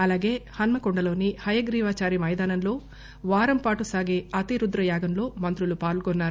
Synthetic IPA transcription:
ɐlaːɡe̞ːhɐnmɐkoɳɖɐlo̞ːnihɐjɐɡɾiːʋaːt͡ʃaːɾimɐjd̪aːnɐmlo̞ː | ʋaːɾɐmpaːʈusaːɡe̞ːɐt̪iɾud̪ɾɐjaːɡɐmlo̞ːmɐnt̪ɾulupaːɭɡonːaːɾu

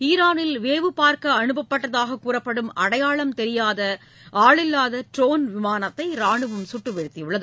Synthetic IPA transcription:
iːɾaːnɪlʋeːʋɯpaːɾkɐːnɯbɐpːɐʈːɐðaːɣɐkːuːrɐpːɐɽɯmɐɽɐjaːɭɐmt̪ɛɾɪjaːðɐ | aːɭɪlːaːðɐʈɾoːnʋɪmaːnɐt̪ːɐɪɾaːɳɯʋɐmsʊʈːrɯʋɛɾɯt̪ːijʊɭːɐðɯ

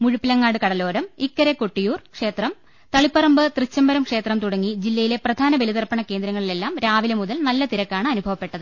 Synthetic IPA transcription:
muɻupːilɐŋːaːɽɨkɐɽɐlo̞ːɾɐmikːɐɾeko̞ʈːijuːrkʂe̞ːt̪rɐm | t̪ɐɭipːɐrɐmbɨt̪rɨt͡ɕːɐmbɐɾɐmkʂe̞ːt̪rɐmt̪uɽɐŋːid͡ʑilːɐjile̞prɐd̪ʱaːnɐʋeliðɐrpːɐɳɐke̞ːnd̪ɾɐŋːɐɭile̞lːaːmɾaːʋilɐmuðɐlnɐlːɐt̪iɾɐkːaːɳɨɐnubʱɐʋɐpːe̞ʈːɐðɨ

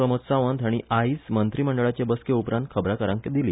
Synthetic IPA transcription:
ɾəmət̪saʋənd̪ʱjaɽ̃iʔaismənt̪ɾiːməɳɖəɭat͡ɕebəskeupɾãnt̪̚kʰəbɾakəɾə̃ŋkd̪iliː

